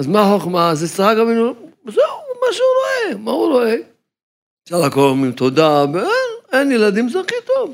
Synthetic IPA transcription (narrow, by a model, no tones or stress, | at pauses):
azmaħoχmazesaaɡaminzɛumaʃeuɾoemauɾoe | ʃalakolmimt̪od̪aveenenjelad̪imzɛχit̪ov